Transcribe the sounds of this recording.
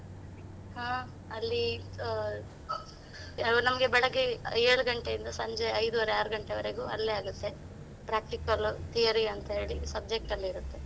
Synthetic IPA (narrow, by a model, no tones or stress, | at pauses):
hãː | ɐlːi | nɐmɐɡe̞bɛɭɐɡeeːɭuɡɐɳʈejind̪ɐsɐɲd͡ʒeɐjd̪uʋɐɾeaːɾuɡɐɳʈeʋɐɾeɡuːɐlːeaːɡut̪ːe̞ | pɾaːk̚ʈikɐlt̪ijɐɾiɐnt̪ɐɦe̞ːɭisɐb̚d͡ʒek̚ʈɐlːiiːɾut̪ːe̞